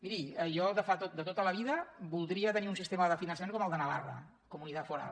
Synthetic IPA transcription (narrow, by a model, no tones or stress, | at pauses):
miɾiəʒɔlˠd̪əfat̪ot̪̚d̪ət̪ot̪ələβ̞iðəbulˠd̪ɾiət̪əniunsist̪eməðəfinənsəmẽŋkɔməlˠd̪ənəβa̰rə̰ | kumunit̪at̪fuɾa̰